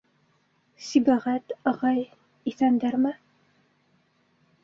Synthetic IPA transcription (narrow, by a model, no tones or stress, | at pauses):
sibæʁæt̪ɑʁɑj | iθænd̪æɾmɘ